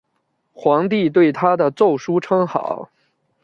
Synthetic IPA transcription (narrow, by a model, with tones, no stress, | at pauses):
xwɑ˧˥ŋt̪̬i˥˧t̪̬we˥˩ɪt̪ʰa˥d̪ə˨t͡so˥˩ʊʂu˥ʈ͡ʂʰɤ˥ŋxɑ̰˨˩˦ʊ